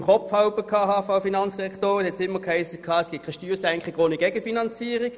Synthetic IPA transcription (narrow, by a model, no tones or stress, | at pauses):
χɔfhɑʊbəkʰɑːɦɑːfaʊfinɑnt͡sd̥ɛkʰtoːʁəhɛtsɪmːəkhæɪsəkʰɑːɛsɡ̥ɪt̚kʰaɪʃtyːʁsɛŋkχɪɡoːniɡ̥ɛɡəfinɑnt͡siːəʁɪ̥